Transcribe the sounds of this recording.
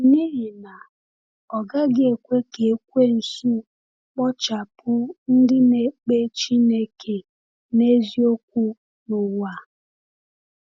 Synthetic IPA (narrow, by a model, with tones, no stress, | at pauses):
ni˦ɦɪ˨na˨ | ɔ˨ɡa˦ɡe˨kʷe˦ke˨˦kʷe˦n̩˨su˦ | k͡pɔ˦t͡ʃa˨pʊ˦n̩˦dɪ˦ne˨k͡pe˦t͡ʃi˦ne˦kʰe˨ | ne˦zi˦o˦k̚ʷu˦ | nʊ˨wa˦˨